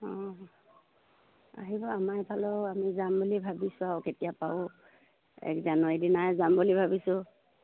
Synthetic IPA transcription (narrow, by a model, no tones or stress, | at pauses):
ɔ̃ | a̰ɦibɔamajbʰʱalɔamizambulibʱabisʊawketijapaʊ | ɛ̰kzanɔedinajzambulibʱabisʊ